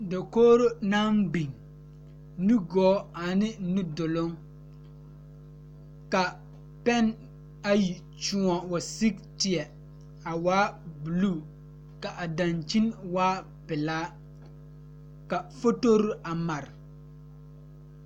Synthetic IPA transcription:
da˨koː˦ɾo˦na˦mbi˨ŋ | nu˦ɡɔː˦a˨nɪ˦nu˦dʊ˨lʊ˦ŋ | ka˨ | pɛ˦n | a˦ji˨ | t͡ʃʊ˦ɔ˨wa˨si˦k̚tɪ˨ɛ˨ | a˨waː˦bu˨luː˦˨ | ka˨ʔa˨da˨nt͡ʃi˦nwaː˦ | pɪ˨laː˦ | ka˨fo˦to˦ɾi˦a˨ma˨ɾɪ˨

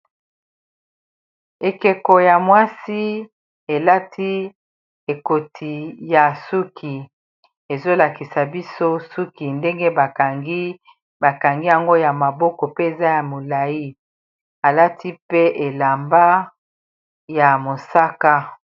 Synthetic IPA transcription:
e˨ke˨ko˨ja˨mwa˦si˦ | e˨la˦tʰi˦ | e˨ko˨tʰi˨ja˨su˦kʰi˨ | e˨zo˦la˨ki˨sa˨bi˦so˦su˦ki˨nde˦ŋɡe˦ba˨ɡi˦ | ba˨ka˨ŋɡi˦ja˨ŋɡo˦ja˨ma˨bɔ˦kɔ˨pe˦e˨za˦ja˨mo˨la˨ji˦ | a˨la˦tʰi˦pe˦ʔe˨la˨mba˦ | ja˨mo˨sa˦ka˦

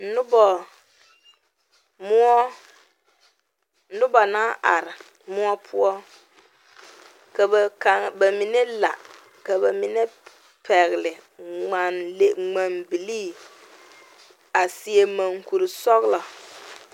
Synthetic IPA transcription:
n̩˨˦ʊ˦bɔ˨ | mʊ˦ɔ˦ | n̩˦dʊ˦ba˨naː˦ʔa̰˨ɾɪ˨ | mʊ˦ɔ˦pʰʊ˦ɔ˦ | ka˨bka˨ŋba˨mi˨nɛ˦la̰˨ | ka˨ba˨mi˨nɛ˦ | pʰɛ˨ɣɪ˨lɪ˨ŋ͡ma˨nle˦ŋ͡ma˨nbi˨liː˦˨ | a˨si˨e˨ma˨ŋku˨ɾi˨sɔ˦ɣla˨

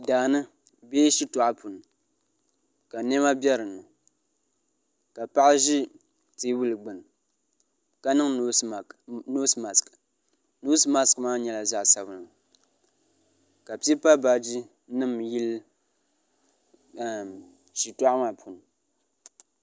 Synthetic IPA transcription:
daː˨nɨ˦ | beː˦ʃi˦tʊ˨ʔa˦pʰu˨n˨ | ka˨nɛ˦ma˦bʲɛ˦ɾɨ˨nɨ˨ | ka˨pa˦ʔa˦ʒi˦ | tiː˨˦wu˦lɨ˨ɡ͡bɨ˨n˨ | ka˨nɨ˦ŋ˦˨ | no˦sma˨sk | no˦sma˦skmaː˦ɲɛ˨la˨za˦ʔsa˨bɨ˨nɨ˨ | ka˨pi˦i˦pa˦ba˨d͡ʒi˦ | nɨ˦mji˦l | ʃi˨tɔ˦ʔa˦maː˨pʰu˨n˨

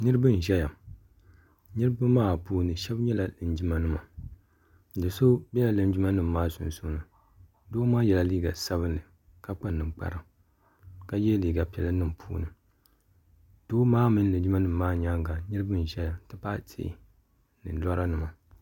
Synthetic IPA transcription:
nɨ˦ɾɨ˦bɨ˦n˨ʒɛ˦ja˨ | nɨ˦ɾɨ˦bɨ˦maː˦puː˦nɨ˨ʃɛ˦bɲɛ˦la˨lɨ˨n˨d͡ʒi˦ma˨nɨ˦ma̰˨ | dɨ˨so˦bɛ˦la˨lɨ˨n˦d͡ʒi˦ma˦nɨ˦mː˦aː˦sʊ̰˨n˨su˦nɨ˨ | doː˦maː˦jɛ˨la˨liː˦ɡa˨sa˦βɨ˦nːɨ˨ | ka˦k͡pa˦nɨ˨mk͡pa̰˨ɾa˨ | ka˦jɛ˦liː˨ɡa˨pɛ˨lɨ˦nɨ˦˨m˨pʰṵː˦nɨ˨ | d̥oː˦maː˦mɨ˦n˦lɨ˨d͡ʒi˦ma˦nɨ˦˨mː˦aː˦ɲa˦ŋɡa˨nɨ˦ɾɨ˦bɨ˦n˨ʒɛ˦ja˨˦tɨ˦pa˦tʰḛ˦ | nɨ̰˨˦la˦ɾa˦nɨ˨ma˨

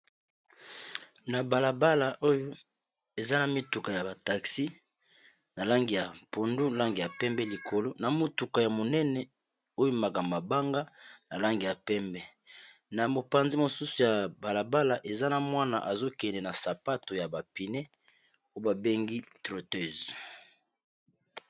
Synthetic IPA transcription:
na˨ba˨la˨ba˦la˨ʔo˦jo˦ | e˨za˦na˨mi˦tu˨ka˨ja˨ba˨ta˨ksi˦ | na˨la˦ŋɡi˨ja˨po˨ndu˦la˦ŋɡi˨ja˨pɛ˦mbɛ˦li˨kʰo˨lo˦na˨mo˦tu˨ka˨ja˨mo˨nɛ˦nɛ˨ | o˦jo˦ma˨ka˨ma˨ba˦ŋɡa˦na˨la˦ŋɡi˨ja˨pɛ˦mbɛ˦ | na˨mo˨pa˨nzi˦mo˨su˦su˨ja˨ba˨la˨ba˦la˨ʔe˨za˦na˨mwa˦na˨ʔa˨zo˦kɛ˨nɛ˨na˨sa˨pa˦to˨ja˨ba˨pi˨nɛ˦ | o˦o˦ba˨be˦ŋɡi˦tʁo˨tø˦˨z

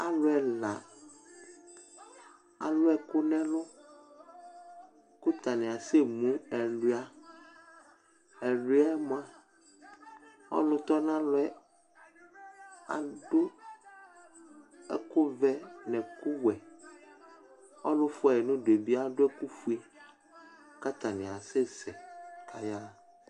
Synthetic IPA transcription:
a˦lʊ˦ɛ˨la˨ | a̰˨lʊ˦ɛ˦kʊ˦nɛ̃˦lʊ˦ | kʊ˦t̪a˨nɛ̃˨a˨se˦mũ˦ɛ˨lu˨˦a˨˦ | ɛ˨lu˦a˦mo˨˦a˨ | ɔ̰˦lʊ̃˦t̪ɔ˦nã˦lʊ˦ɛ˦ | a̰˨dʊ˦ | ɛ̰˦kʊ˦vɛ˦nɛ̃˨kʊ˦wɛ˨ | ɔ˦lʊ̃˦fʊ˦a˨nʊ̃˦de˨bi˦a˦ɖʊ˦ɛ˦ku˦fu˦i˦ | ka˦t̪a˨nɪ̃˨a˨se˦sɛ˨kʰa˨ja˦

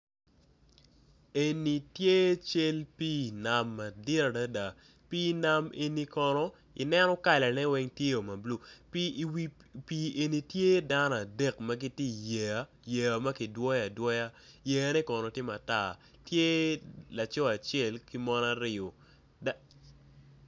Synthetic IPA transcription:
e˨ni˨tje˦t͡ʃe˦lpi˦˨na˨mːa˨dɪ˦ɾa˨da˦da˨ | pi˦na˦me˨ni˦kɔ˨nɔ˦ | ɪ̰˨nɛ˦nɔ˦ka˨lɛ˨nɛ˦wɛ˦ŋtje˦o˨ma˨blu˦˨ | pi˨e˨ni˨tje˦da˦nɔ˨a˨de˦˨kmɐ˦ɡi˦tje˦˨je˨a˦ | je˨a˨ma˦ki˨dwɔ˦ja˨dwɔ˦ja˦je˨ja˨˦nɛ˦kɔ˨nɔ˨tje˦ma˨ta˦˨ | tje˦la˨t͡ʃɔ˦a˨t͡ʃɛ˦˨lki˦mɔ˦na˦ɾɪ˨o˨ | da˦

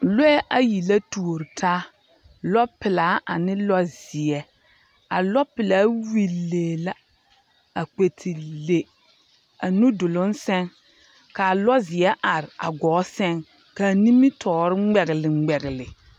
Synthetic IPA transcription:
lo˦ɛ˦ʔa˨ji˨la˦tu˨o˨ɾɪ˨tʰaː˦ | lɔ˦pɪ˨laː˨˦ʔa̰˨nɪ˦lɔ˦zɪ˨ɛ˦ | a˨lɔ˦pɪ˨la˦wi˨lːeː˨la˦ | a˨k͡pe˨tʰi˨le˨ | a˨nu˦dʊ˨lʊ˦nsɛ˦ŋ | ka˨a˨lɔ˦zɪ˨ɛ˦ʔa˨ɾɪ˨a̰˨ɡɔː˨˦sɛ˦ŋ | ka˨ni˦mi˦tʰɔː˨ɾɪ˦ŋ͡mɛ˨ɣɪ˨lɪ˨ŋ͡mɛ˨ɣɪ˨lɪ˨

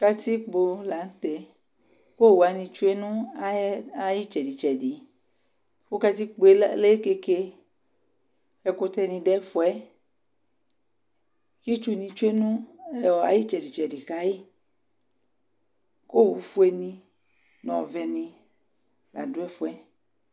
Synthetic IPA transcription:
ka˧t̪i˦k͡po˧la˨n̩˦t̪ɛ˨ | ko˦˨wu˨a˨nĩ˧t͡ʃu˦e˦nũ˦a˦a˦ji˦t͡ʃɛ˨di˨t͡ʃɛ˨di˨ | fo˦ka˧t̪i˦k͡po˨e˦le˦ke˧ke˧ | ɛ˨ko˦t̪ɛ˦nĩ˧ɖɛ˦fu˦ɛ˦ | ki˦t͡ʃu˦nĩ˧t͡ʃu˦e˦nũ˦ɛ˦ɔ˨a̰˨ji˦t͡ʃɛ˨di˨t͡ʃɛ˨di˨ka˦ji˦ | ko˦˨wu˨fu˦e˦˨nĩ˧ | nũ˦ɔ̰˨vɛ˨nĩ˧ | la̰˨du˦ɛ˦fu˦ɛ˦

